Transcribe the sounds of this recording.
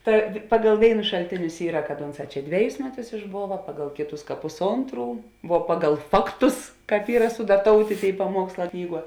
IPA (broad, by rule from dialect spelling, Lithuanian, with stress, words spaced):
ˈtɐ ˈpɑːɡɐlˠ ˈʋʲeːɪnʊs ʃɐlʲˈtʲeːnʲʊs ˈiːrɐ kɐt ˈʊnˌsɑː ˈt͡ʃʲɛ ˈdʲʋʲæːˌjʊs ˈmʲæːˌtʊs ɪʒˈboːʋɐ ˈpɑːɡɐlˠ ˈkʲeːˌtʊs pʊsˈoːntˌruː ʋuɔ ˈpɑːɡɐlˠ ˈfɑːkˌtʊs ˈkɑːp ˈiːrɐ sʊdɐˈtoːʊtʲeː ˈtʲeːɪ pɐˈmuɔksˌlˠɑː ˈknʲiːˌɡuɔ